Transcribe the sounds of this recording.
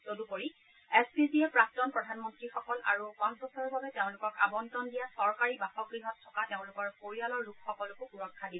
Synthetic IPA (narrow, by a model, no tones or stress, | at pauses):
zodupoɹi | ɛsbiziɛpɹap̚tɔnpɹɔdʱanmɔntɹixɔkɔlʔa̰ɹupansbɔsɔɹbʱabɛteʊ̃lʊkɔkabɔntɔndijasɔɹkaɹibaxɔɡɹiɦɔtʰːɔkateʊ̃lʊkɔɹpoɹialɔɹːukʰxɔkɔlʊkʊpuɹɔkʰːadil